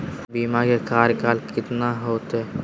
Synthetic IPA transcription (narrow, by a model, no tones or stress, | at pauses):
biːmakekaːɾjkaːlkɪt̪naɦoːt̪ɦɛ